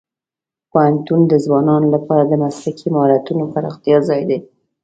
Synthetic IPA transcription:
pohant̪und̪əzwɑnɑnolapɑɾad̪əmaslakimɑɾat̪unopaɾɑ̰xt̪ijɑzɑjd̪e

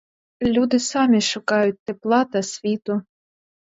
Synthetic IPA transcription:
lʲud̪ɪsɑmʲiʃʊkɑjʊt̚ʲt̪eplˠɑt̪ɐsʲʋʲit̪ʊ

